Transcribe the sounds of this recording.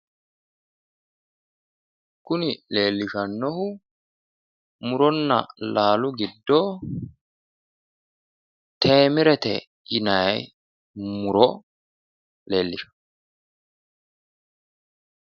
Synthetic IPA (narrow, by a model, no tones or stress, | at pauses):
kʊnɪle̞ːlːɪʃɐnːɔhʊ | mʊɾɔnːɐ̰laːlʊɡɪd̪ːoː | t̪ʰeːmɪɾɛt̪ɛ̰ | ɪnɐj | mʊɾɔ | le̞ːlːɪʃɐ̥